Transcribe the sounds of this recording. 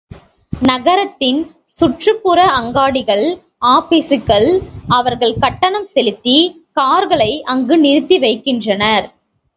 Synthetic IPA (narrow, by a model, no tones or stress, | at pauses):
nɐɣɐɾɐt̪ːɪn | sʊʈrɯpːʊɾɐʔɐŋɡaːɽɪɣɐɭ | aːpɪsɯkːɐɭɐʋɐɾɣɐɭkɐʈːɐnɐmsɛlɪt̪ːi | kaːɾɣɐɭɐɪʔɐŋɡɯnɪɾɯt̪ːiʋɐɪkːɪndrɐnɐɾ